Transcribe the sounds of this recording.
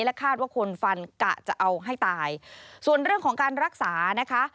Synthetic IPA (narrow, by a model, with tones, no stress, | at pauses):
lɛ˦˥kʰaː˥˩t̪̚waː˥˩kʰo˧nfa˧nka̰˨˩t͡ɕa˨˩ʔa˧wɦa˥˩jt̪aː˧jsu˨˩ənɾɯ˥˩əŋkʰɔː˩˦ŋkaː˧nɾa˦˥k̚saː˩˦na˦˥kʰa˦˥